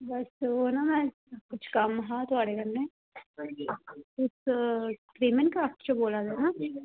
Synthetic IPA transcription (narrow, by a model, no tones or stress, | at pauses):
bɐsonamɛ̃ː | kʊt͡ʃʰkɐmɦãt̪ʊaːɽed̪ɐmne | ʊs | kɾiːmənkat͡ʃoboːlad̪oːna